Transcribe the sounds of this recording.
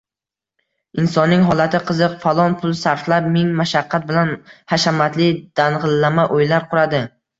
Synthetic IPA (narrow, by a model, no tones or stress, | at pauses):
ɪnsɒnːɪŋɦɒlˠat̪ʰɪqʰɨzɨqfalˠɒnpʰʊlˠsaɾflap̚mɪŋmaʃaqʰːat̪̚bɪlanhaʃamat̪lɪd̪̥anʁɨlːamaʔojlaɾqʰʊɾad̪ɪ